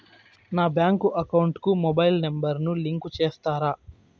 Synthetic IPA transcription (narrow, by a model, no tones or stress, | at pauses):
naːbjaːŋkuʔɐkɐwuɳʈkumobɐjlnembɐɾnuliŋkut͡ʃeːst̪aːɾaː